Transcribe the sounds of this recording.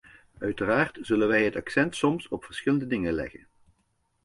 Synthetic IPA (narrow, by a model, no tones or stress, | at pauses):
œɥtəraːrtz̥ɵlənʋɛjɦətɑksɛntsɔmsɔpfəɹsχɪləndədɪŋənlɛ̰χə̰n